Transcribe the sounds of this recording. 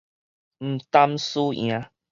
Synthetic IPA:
m̩˨˩t̪a˦msṵ̃˦˧ã˨˧

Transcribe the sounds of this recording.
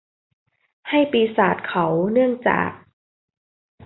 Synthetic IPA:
ha˥˩jpiː˧saː˨˩t̪̚kʰa˦wnɯ˥˩əŋt͡ɕa̰ː˨˩k̚

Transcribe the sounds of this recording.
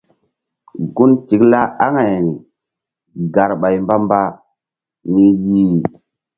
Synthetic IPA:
ɡu˦nt͡ʃi˨kla˦a˦ŋa˨j | ɡa˨ɾɓa˨jmba˦mba˦ | ni˦ji˦˨

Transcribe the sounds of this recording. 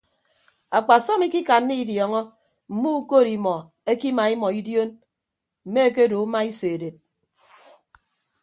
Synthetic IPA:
a˨k͡pa˨sɔ˦mi˦ki˦ka˨nː˦i˦djɔ˨ŋɔ˦ | m̩˨mu˦u˦ko˦˨ɾi˨mɔ˨ | e˦ki˦ma˨i˦mɔ˨i˦djo˦n | m̩˨me˦e˦k̬e˦do˨u˦ma˦i˦se˨de˨t̚

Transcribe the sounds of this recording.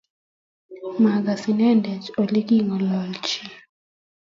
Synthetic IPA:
ma˨ɡa˨si˨nɛ˦ndɛ˨t͡ʃo˨li˦ki˦ŋɔ˨lɔ˨lt͡ʃi˨

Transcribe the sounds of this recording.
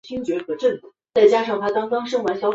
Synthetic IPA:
t͡ɕʰi˥ŋt͡ɕɥɛ˧˥xɤ˧˥ʈ͡ʂə˥˩nt͡s̩˨˩˦t͡sa˥˩ɪt͡ɕja˥ʂɑ˥˩ŋtpʰa˥t̪ɑ˥ŋfɑ˥ŋʂɤ˥ŋwa˧˥nɕjɑ˥ʊ

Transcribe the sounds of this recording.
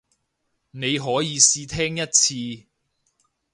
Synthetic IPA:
ne˨˧jɦɔː˨˥jiː˨˧siː˧t̪ʰɛː˥ŋjɐ˥t̚t͡sʰiː˧

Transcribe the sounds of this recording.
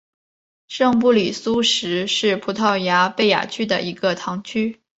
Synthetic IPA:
ʂɤ˥˧ŋp̬u˥˩li˨˩su˥ʂɻ̩˧˥ʂɻ̩˥˩pʰu˧˥t̪ʰɑ˥˩ʊja˧˥pe˥˩ɪja̰˨˩t͡ɕʰy˥d̪ə̰˨ʔi˧˥ɡə˧t̪ʰɑ˧˥ŋt͡ɕʰy˥

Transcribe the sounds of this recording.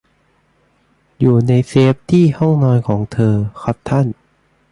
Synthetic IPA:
juː˨˩na˧jseː˦˥p̚t̪ʰiː˥˩hɔ˥˩ŋnɔː˧jkʰɔː˩˦ŋt̪ʰɤː˧kʰa˦˥p̚t̪ʰa˥˩n

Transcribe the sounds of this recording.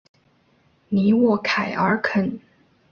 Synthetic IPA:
ni˧˥wɔ˥˩kʰa˨˩ɪʔə˞˧˥kʰə˨˩n

